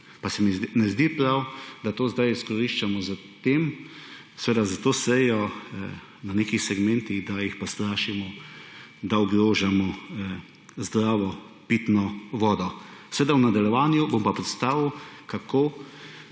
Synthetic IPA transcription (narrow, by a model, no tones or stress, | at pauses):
pasɛminɛzd̪ipɾawd̪at̪oːzd̪ajiskɔɾiʃt͡ʃamɔza | t̪eːm | sɛʋeːd̪azat̪oːsɛjɔ | naneːkixsɛɡmɛ̃nt̪iɣd̪ajixpɔst̪ɾaːʃimɔ | d̪aɔɡɾoːʒamɔ | zd̪ɾaːʋɔ | piːt̪nɔʋɔːd̪ɔsʋeːd̪awnad̪aljɛʋaːnjubompapɾɛt̪st̪aːʋiwkakoː